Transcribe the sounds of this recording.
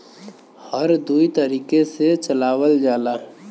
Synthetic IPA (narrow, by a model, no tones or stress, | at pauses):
həɾd̪uit̪əɾiːkeset͡ʃəlaːwəld͡ʒaːla